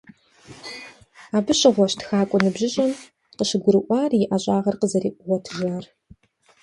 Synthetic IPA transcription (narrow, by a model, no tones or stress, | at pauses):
aːbɨɕʼɪʁʷɔɕtʰxaːkʷʼɔnɨbʑɪɕʼɐn | qəʃɪɡʷʊɾɨʔʷʼɑːrjɪʔɐɕʼaːʁɐrqəzɐrḭːʔʷʼʊʁʷɔtʰʒaːr